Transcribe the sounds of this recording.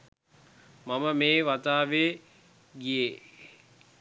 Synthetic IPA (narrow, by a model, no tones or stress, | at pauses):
maməmeːʋat̪aːʋeː | ɡije